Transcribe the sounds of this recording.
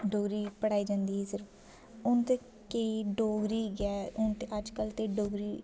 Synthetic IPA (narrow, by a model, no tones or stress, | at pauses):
ɖoːɡɾiːpəɽaːiːd͡ʒãːnd̪iːɦɛːsɪɾf | ʊnt̪eː | keiɖoːɡɾiːɡɛːʊnt̪eʔəd͡ʒkəlt̪eːɖoːɡɾiː